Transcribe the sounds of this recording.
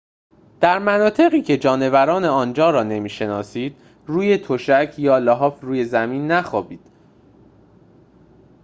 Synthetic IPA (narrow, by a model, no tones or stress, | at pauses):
d̪̥æɾmænɒːt̪ʰe̞ɣiːcʰe̞d͡ʒɒːne̞væɾɒːne̞ɒːnd͡ʒɒːɾɒːne̞miːʃe̞nɒːsiːd̪̥ | ruːje̞t̪ʰoʃæcʰjɒːlɒɦɒːfɾuːje̞zæmiːnːæxɒːbiːd̪̥